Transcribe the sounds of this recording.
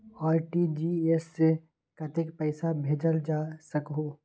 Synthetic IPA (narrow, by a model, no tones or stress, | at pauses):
aːɾʈid͡ʒiesːe | kət̪ɪkpɛɪsabʱeːd͡ʒəld͡ʒaːsəkɦoː